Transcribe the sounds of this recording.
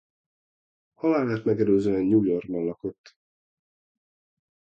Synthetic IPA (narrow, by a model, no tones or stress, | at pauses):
hɒlaːlaːt̪mɛɡɛløːzøːɛnjuːjo̞rɡ̚bɒnlɒko̞t̪ː